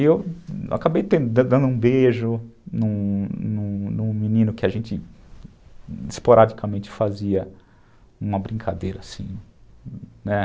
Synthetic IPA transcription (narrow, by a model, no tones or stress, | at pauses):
iewa̰kabejt̪ẽnd̪ʊd̪ɐ̃d̪ɐ̃nd̪ʊũbeʒʊnũnũnũminĩnʊkɪaʒẽnt͡ʃɪ | ispoɾʔad͡ʒikamẽnt͡ʃɪ̥faziɐ | ũmɐbɾĩŋkʰad̪ejɾɐsḭ̃ | nɛ